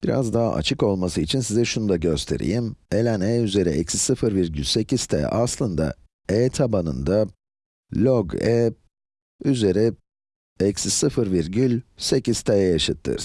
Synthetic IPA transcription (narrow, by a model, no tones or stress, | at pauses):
b̥iɾa̰zd̪aɦa̰ʔa̰t͡ʃʰɯko̞lˠmasɯit͡ʃʰinsizɛʃunud̪aɟø̞st̪ʰe̞̰ɾḭjime̞lʲænɛːyze̞ɾiʔɛcssɯfɯɾviɾɟylʲse̞ciz̥t̪ʰɛ̰ːʔaslˠɯnd̪a̰ | ɛːt̪ʰabanɯ̰nd̪a | lʲoɡɛː | yze̞ɾi | ɛcssɯfɯɾviɾɟylʲse̞ciz̥t̪ʰajɛjaʃɯt̪ʰːɯ̰ɾ̥